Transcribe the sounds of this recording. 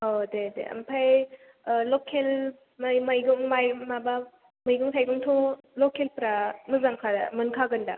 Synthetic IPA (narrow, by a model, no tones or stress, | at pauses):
odedḛɐ̰mpʰaj | lokʰel | majmajɡuŋmajmaba | məjɡɯŋtʰajɡuŋtʰo | lokelpɾamɯzamkʰadmɯnkʰaɡɯnda̰